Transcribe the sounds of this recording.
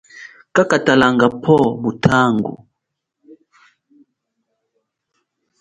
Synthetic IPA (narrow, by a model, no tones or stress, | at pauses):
kakatalaŋɡapʰɔmutʰaŋɡṵ